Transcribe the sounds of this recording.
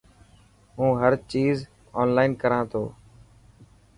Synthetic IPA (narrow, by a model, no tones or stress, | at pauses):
ɦũːɦəɾt͡ʃiːz | ɔːnlaːɪnkəɾãːt̪ʰoː